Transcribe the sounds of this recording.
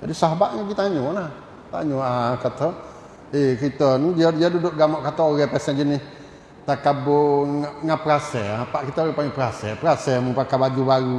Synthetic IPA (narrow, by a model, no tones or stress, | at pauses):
d͡ʒadisaɦabaʔŋaɡit̪aɲɔlah | t̪a̰ɲɔakat̪ɔ | ekɾit̪ɔnd͡ʒiad͡ʒiadudʊʔɡamɔʔkat̪ɔoɾɛpɛsɛnd͡ʒənɪ | t̪akabɔŋapəɾasɛapaʔkit̪ɔɛpaŋipəɾasɛpəɾasɛməŋpakabad͡ʒubaɾu